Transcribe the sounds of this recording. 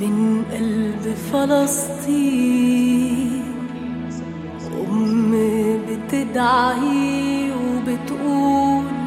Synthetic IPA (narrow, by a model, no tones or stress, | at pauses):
mɪnʔalbfɑlɑst̪ˤiː | ʔʊ̰mː | bɪt̪ɪd̪ʕahiwɪbɪt̪ʔuːl